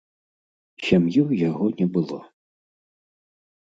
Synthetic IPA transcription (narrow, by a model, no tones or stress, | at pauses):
sʲamjuwjaɣɔnʲɛbɨlˠɔ